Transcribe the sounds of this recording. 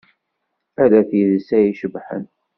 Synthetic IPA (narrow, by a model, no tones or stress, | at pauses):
æðæθjəðsæjiʃəbħə̰n